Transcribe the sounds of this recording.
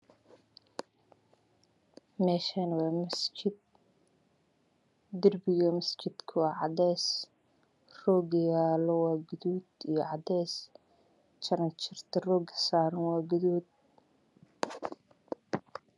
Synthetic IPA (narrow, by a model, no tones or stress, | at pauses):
mɛːʃanɐwɑːmɐst͡ʃɪd̪̚ | d̪ɪrbɪɣɐmɐst͡ʃɪd̪̥kʰʊaːʕɑd̪ɛːs | rɔːɡɐjaːlɔwɑːɡʊðuːd̪ijɞʕɑd̪ɛːs | t͡ʃʰɐɾɐnt͡ʃʰɪrt̪ʰɐrɔːɡɐ̥saːɾɐnwɑːɡʊðuːd̪̚